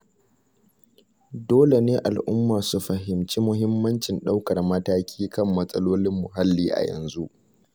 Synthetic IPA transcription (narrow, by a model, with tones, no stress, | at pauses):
doː˦le˨neː˦ʔa˨lʔʊ˦mːaː˨su˦ɸɐ˨ɦɪ˨mt͡ʃi˦mʊ˦ɦɪ˦mːɐ˦nt͡ʃɪ˨nɗa˦wkɐ˨rmɐ˦taː˦kʲʰiː˦kɐ˦mːɐ˦sʼɐ˦loː˦lɪ˦mːʊ˨ɦa˦lːiː˦ʔa̰˨jɐ̰˨nzu˦ʔ